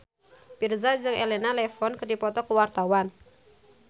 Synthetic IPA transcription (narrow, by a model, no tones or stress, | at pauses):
pirzad͡ʒɨŋʔelɛnalɛfɔnkədipɔt̪ɔkəwart̪awan